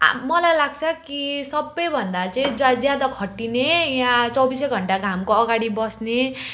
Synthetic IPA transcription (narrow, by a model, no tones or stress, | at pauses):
a̰mʌlajlaɡ̚t͡sʰʌkisʌbːʌjbʱʌnd̪at͡sʌĩd͡zd͡zjad̪akʰʌʈːinejãt͡sʌwbiseɡʱʌɳʈaɡʱamkoʌɡaɽibʌsne